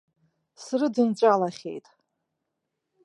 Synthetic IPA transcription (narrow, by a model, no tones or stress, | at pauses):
srɨdɨnt͡ʃʷʼalaχʲḛjtʼ